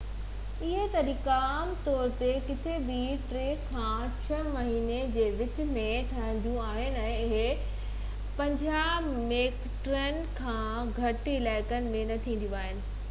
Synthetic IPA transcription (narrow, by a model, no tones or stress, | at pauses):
ɪɦet̪ɐɾiːkaːmt̪ɔːɾt̪ekɪt̪ʰebiʈɾeːkkʰːãː | t͡ɕʰɐmɐɦiːned͡ʑeːʋɪt͡ɕ̆mẽt̪ʰɐɽ̃ə̃n̆d̪ijũaːɦɪnɪ̆ɛ̃ːɪɦe | pɐ̃ɲd͡ʑaː | meːk | ʈɾənɪ̆kʰãː | ɡʱɐʈɪlaːɪkənɪ̆mẽnɐt̪ʰĩːnd̪jũaːɦɪnɪ̆